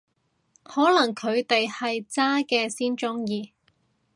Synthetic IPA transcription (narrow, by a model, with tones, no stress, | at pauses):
hɔː˨˥lɐ˨˩ŋkʰɵ˨˧ɥt̪e˨jhɐ˨jt͡saː˥kɛː˧siː˥nt͡ʃʊ˥ŋjiː˨˧